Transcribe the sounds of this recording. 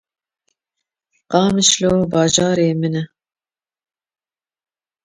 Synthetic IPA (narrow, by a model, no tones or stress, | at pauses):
qɑːmɨʃloːbɑːʒɑːɾeːmɨnɛ